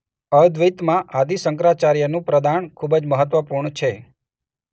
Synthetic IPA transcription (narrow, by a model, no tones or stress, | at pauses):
əd̪ʋit̪mãʔad̪isəŋkɾat͡ʃaɾjənũpɾəd̪aɳkʰubd͡ʒməɦət̪ʋəpuɾɳt͡ʃʰe